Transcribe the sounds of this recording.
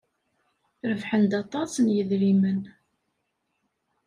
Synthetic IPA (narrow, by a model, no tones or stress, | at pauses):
ɾəvħənd̪ɑt̪ˤɑsnjəðɾimən